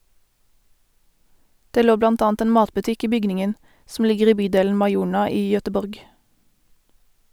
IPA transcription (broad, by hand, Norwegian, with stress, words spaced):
ˈdeː ˈloː ˈblɑnt ˈɑːnt ˈeːn ˈmɑːtbʉˌtɪk ˈiː ˈbʏɡnɪŋən sm̩ ˈlɪɡəʁ ˈiː ˈbyːˌdeːln̩ mɑɪˈuːɳɑ ˈiː jœtəˈbɔʁɡ